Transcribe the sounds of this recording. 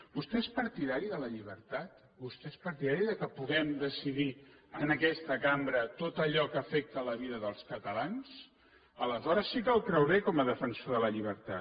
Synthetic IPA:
bust̪eespəɾt̪iðaɾiðələʎiβ̞əɾt̪at̪ | bust̪eespəɾt̪iðaɾiðəkəpuɣɛmd̪əsiðiənəkɛst̪əkambɾət̪ot̪əʎɔkəfɛk̚t̪ələβiðəðəlˠskət̪əlans | ələzɔɾəsːik̬əlˠkɾɛwβekɔməðəfənsoðələʎiβ̞əɾt̪a̰

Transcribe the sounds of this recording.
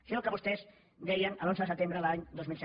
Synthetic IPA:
sinokəβust̪ɛz | d̪ɛjənəlonzəðəsət̪embɾəlaɲd̪ozmilˠsɛ

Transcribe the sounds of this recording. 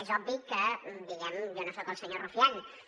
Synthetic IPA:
ezɔbːikəbiɛmjonosɔkəlˠsəɲorufian

